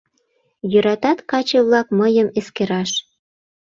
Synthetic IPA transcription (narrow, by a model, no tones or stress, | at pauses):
jøɾɑt̪ɑt̪kɑt͡ɕəβlɑkməjəmeskeɾɑʃ